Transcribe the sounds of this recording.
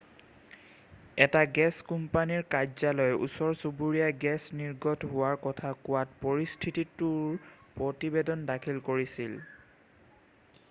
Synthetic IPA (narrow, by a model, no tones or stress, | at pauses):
ɛtaɡɛskumpaniɹkazalɔjʔṵsɔɹsubuɹijaɡɛsniɹɡɔtɦʊwaɹkɔtʰakʊwatpɔɹistʰititʊɹpɹɔtibedɔndakʰilkoɹisil